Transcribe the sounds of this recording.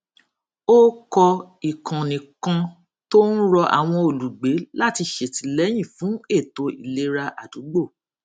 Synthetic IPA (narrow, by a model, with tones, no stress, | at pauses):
o˦kɔ˧ | i˨kʰã˨nĩ˨kã˧ | to˦n̩˦ɾɔ˧ʔa̰˨w̃ɔ̃˧o˨lu˨ɡ͡be˨˦la˦˨ti˧ʃe˨ti˨˦lɛ˨˦j̃ĩ˦˨fũ˨˦e˦˨to˧ḭ˨le˦ɾa˧ʔa˨du˨˦ɡ͡bo˦˨